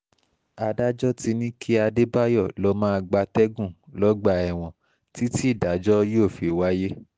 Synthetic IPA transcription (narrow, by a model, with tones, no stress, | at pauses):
a˧da˦d͡ʒɔ˦ti˧nĩ˦kʰi˦a˧de˦ba˦jɔ˦˨lɔ˦mãː˦˧ɡ͡ba˧tɛ˦ɡũ˦˨lɔ˦ɡ͡ba˧ɛ˨w̃ɔ̃˨ | ti˦ti˦˨da˨˦d͡ʒɔ˦jo˦˨fi˨wa˦je˦